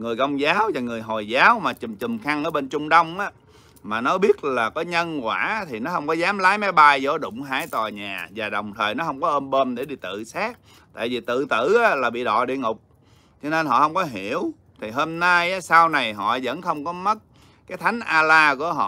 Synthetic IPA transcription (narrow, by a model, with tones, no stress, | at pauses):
ŋɨ˨˩əjkə˧wŋ͡mzaː˨˦wvaː˨˩ŋɨ˨˩əjɦo˨˩jzaː˨˦wmaː˨˩t͡ɕɨ˨˩mt͡ɕɨ˨˩mxa˧ŋʔəː˧˥˦ɓe˧nt͡ɕʊ˧ŋ͡mɗə˧wŋ͡mʔaː˨˦ | maː˨˩nɔ˨˦ɓi˦˥ət̚laː˨˩kɔ˨˦ɲə˧nkwaː˧˩˨t̪ʰi˨˩nɔ˨˦hə˧wŋ͡mkɔ˨˦zaː˨˦mlaː˨˦jma˨˦jɓa˧jzo˧˦ɗʊ̰˧˨wŋ͡mɦaː˧˥jt̪wa˨˩ɲaː˨˩vaː˨˩ɗə˨˩wŋ͡mt̪ʰəː˨˩jnɔ˨˦ɦə˧wŋ͡mkɔ˨˦ʔə˧nɓo˧nɗe˧˩ɗi˧t̪ɨ̰˧˨saː˦˥k̚ | t̪a̰ː˧˨jvi˨˩t̪ɨ̰˧˨t̪ɨ̰˧˩aː˨˦˥laː˨˩ɓḭ˧˨ɗɔ̰˧˨ɗḭ˧˨əŋʊ˨˩k͡p̚ | t͡ɕɔ˧ne˧nɦɔ̰˧˨hə˧wŋ͡mkɔ˨˦ɦi˧˩əw | t̪ʰi˨˩ɦo˧mna˧jʔaː˨˦saː˧wna˨˩jɦɔ̰˧˨zə̰˧˥nxə˧wŋ͡mkɔ˨˦mə˦˥t̚ | kaː˨˦jt̪ʰa˨˦jŋ̟ʔaː˧laː˧ku˧˩əɦɔ̰˧˨